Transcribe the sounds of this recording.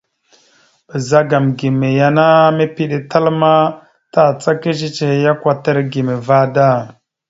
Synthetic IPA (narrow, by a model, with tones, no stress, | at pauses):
ɓə˨za˦ɡa˨mɡi˨me˨ja˦na˦me˦pi˦ɗe˨ta˦lma˦ | ta˦˨t͡sa˦ke˦t͡ʃ̬i˦t͡ʃe˨ja˦kwa˨ta˦ɾɡi˨me˨va˦da˦˨